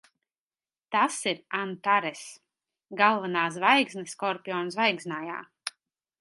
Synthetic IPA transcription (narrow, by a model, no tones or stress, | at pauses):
t̪asiɾant̪aɾɛs | ɡalˠvanaːs̬vajɡznɛskɔɾpʲiɔːnsvajɡznaːja̰ː